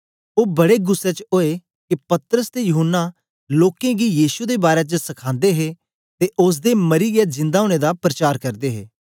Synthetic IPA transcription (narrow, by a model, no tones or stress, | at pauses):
oːbɐɽeɡʊsːet͡ʃoːe | kipɐt̪ɾəst̪ejʊɦənːa | loːkẽɡijiːsud̪ebaːɾet͡ʃəsɐkʰãːnd̪eɦe | t̪eʔʊs̬d̪emɐɾiɡad͡ʒɪ̃nd̪aoːɽ̃ed̪apɾət͡ʃaːɾkɐɾd̪eɦḛː